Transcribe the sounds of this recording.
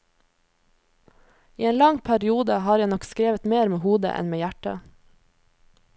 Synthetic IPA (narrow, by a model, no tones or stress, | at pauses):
iːeːnlɑŋpʰæɾɪuːd̪əhɑːɾjænɔkskɾeːʋət̪meːɾmeːhuːd̪ə̰ʔɛ̰nmeːjæʈə